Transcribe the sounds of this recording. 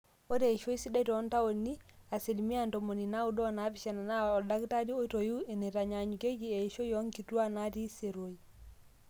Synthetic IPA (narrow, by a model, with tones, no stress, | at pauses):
o˦de˨i˨ʃo˦i˦si˦dɛ˦tɔ˨˦nta˦wo˨nːi˦a˨si˨lmi˦a˨nto˨mo˨ni˨na˦u˦dɔ˦˨na˦pi˨ʃa˨na˨na˦ɔ˨da˦kta˦di˦o˦to˨ju˦e˨nɛ˨ta˨ɲa˨ɲu˨ke˦ɡi˦e˨ʃo˦jɔ˦ŋki˨tu˦a˦na˦ti˦se˨ɾo˨i